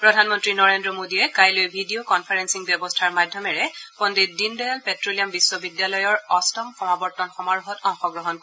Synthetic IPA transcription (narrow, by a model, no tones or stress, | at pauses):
pɹɔdʱanmɔntɹinɔɹendɹɔmodijɛkajlojbʱidiokɔnpʰaɹɛnsiŋbjɔbɔstʰaɹmadʱjɔmɛɹɛpɔndit̚dindɔjalpɛtɹolijambisːɔbidjalɔjɔɹɔstɔmxɔmabɔɹtɔnxɔmaɹuxɔtɔŋxɔɡɹɔɦɔnk